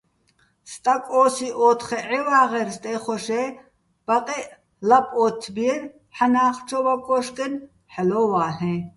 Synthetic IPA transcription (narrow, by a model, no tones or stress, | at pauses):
st̪ʼakʼɔːsiʔɔːt̪ʰχɛʕɛwaːʁɛɾst̪ʼɛχɔʃɛ | b̥aqʼɛʔ | lapʼɔt̪ʰbiɛɾ | ħanaːχt͡ʃʰɔbakʼɔʃkʼɛn | ħalɔːwaːɦɛ̃